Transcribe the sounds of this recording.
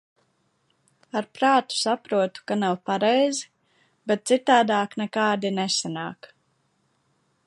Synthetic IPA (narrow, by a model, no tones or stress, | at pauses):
aɾpɾaːt̪u̥sapɾuɔt̪u̥kanawpaɾɛjzi | bɛt̪̚t̪sit̪aːd̪aːknɛkaːd̪inɛsana̰ːk